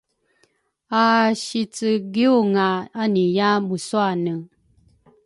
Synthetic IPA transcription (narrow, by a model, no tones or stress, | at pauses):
aʃit͡sɨɡiuŋaanijamuswanə